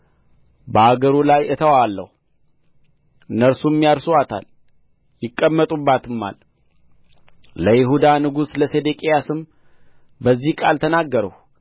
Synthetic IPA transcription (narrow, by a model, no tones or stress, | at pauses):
bəaɡəɾulajɨt̪ʰəwalːə̰hu | ɨnːəɾsumːijaɾsuwat̪ʰa̰l | jɪkʼːəmːət̪ʼubːat̪ʰɨmːa̰l | ləjɪɦud̪anɨɡusləse̞d̪ekʼejasɨm | bəzːihkʼalt̪ʰənaɡːəɾəh